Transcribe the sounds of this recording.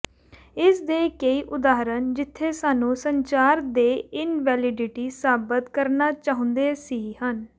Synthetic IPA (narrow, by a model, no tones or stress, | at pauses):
ɪsd̪eːkəiːʔʊd̪aːɦɾənd͡ʒɪt̪ʰːeːsaːnũːsəɲt͡ʃaːɾd̪eːɪnʋɛːlɪɖɪʈiːsaːbət̪kəɾnaːt͡ʃaːɦʊ̃nd̪eːsiːhən